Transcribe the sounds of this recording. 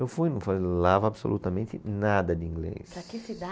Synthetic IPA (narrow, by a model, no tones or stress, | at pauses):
ewfujnɐ̃w̃falelavɐabso̰lṵt̪ɐmẽnt̪ɪnad̪ɐd̪ɪĩŋɡlḛsɾakɪsid̪a